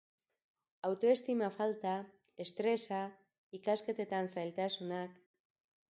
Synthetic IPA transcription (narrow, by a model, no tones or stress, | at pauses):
awt̪o̞e̞st̪imafalt̪a | e̞st̪ɾe̞sa | ikaske̞t̪e̞t̪ansajlt̪asunak